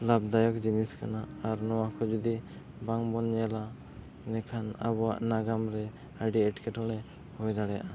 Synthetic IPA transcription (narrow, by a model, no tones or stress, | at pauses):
lab̚d̪ajɔkd͡ʒiniskanaːɾnɔwakʰɔd͡ʒud̪i | baŋbɔnɲɛla | ɛnɛkʰana̰bɔwa̰ʔnaɡamɾɛ | aɖiɛʈkʰɛʈɔɽ̃ɛ | hɔjd̪aɽɛja̰ʔa